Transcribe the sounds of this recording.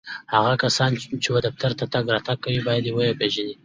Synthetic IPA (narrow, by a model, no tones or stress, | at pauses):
haɣakasɑnt͡ʃewad̪af̚t̪ʰaɾt̪at̪aɡɾɑt̪aɡ̚kːawibɑjad̪ewəjapeʒani